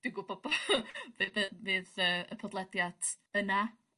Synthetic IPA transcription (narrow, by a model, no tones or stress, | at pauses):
d̥ɪɡʊbɔbɔvɨbɨvɨːðəːəpʰɔdlˠɛdjad̥ | əna